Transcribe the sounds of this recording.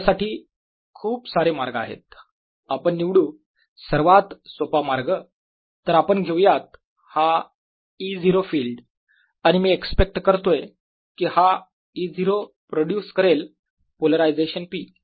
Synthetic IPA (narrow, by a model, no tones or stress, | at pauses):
saʈiː | kʰuːpsaɾemaɾɡa̰ɦḛt̪̚ | apəɳːiʋɽuː | səɾʋat̪sopamaɾɡə | t̪əɾapəɳɡʱewjat̪̚ | ha | id͡ziɾofiːlɖ | añimiːekspek̚ʈkəɾt̪oe | kiːha | id͡ziɾo | pɾoɖjuskəɾel | poləɾajd͡zeɕənpiː